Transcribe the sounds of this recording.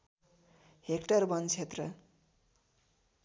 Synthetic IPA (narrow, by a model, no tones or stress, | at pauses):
hekʈʌrbʌnt͡sʰet̪rʌ